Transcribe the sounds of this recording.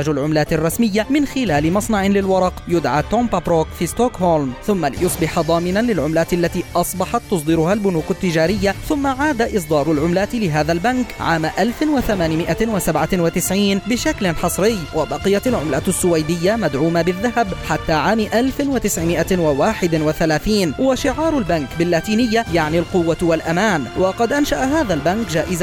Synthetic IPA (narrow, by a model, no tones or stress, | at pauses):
ad͡ʒalʕʊmlaːt̪ɪrˤːɑsmɪjːamɪnxɪlaːlɪmɑsˤnɑʕɪlɪlwɑɾˤɑqjʊd̪ʕat̪oːmpapɾoːkfiːst̪oːkholmθʊmːalɪ̰jʊsˤbɪħad̪ˤɑːmɪnanlɪlʕʊmlaːt̪alːat̪iːʔɑsˤbɑħɑt̪ːʊsˤd̪ˤɪɾʊhaːlbʊnuːkʊt̪ːɪd͡ʒaːɾɪjːaθʊmːaʕaːd̪aʔɨs̬ˤd̪ˤɑːɾˤʊlʕʊmlaːt̪ɪlɪɦaːðalbankʕaːmaʔalfɪwaθamaːnɪmɪʔawasabʕanwat̪ɪsʕiːnbɪʃaklɪnħɑsˤɾɪjːwʔabɑqɪjaalʕʊmlasːʊwajd̪ɪjːamad̪ʕuːmabɪðːaɦabħat̪ːaːʕaːmʔalfɪnwat̪ɪsʕɪmɪʔawawaːħɪd̪ɪwaθalaːθiːnwaʃɪʕɑːɾˤalbankbɪlːaːt̪iːnɪjːajaʕnilqʊwːawalʔamaːnwɑqɑd̪ʔanʃaʔaɦaːðalbankd͡ʒaːʔɪz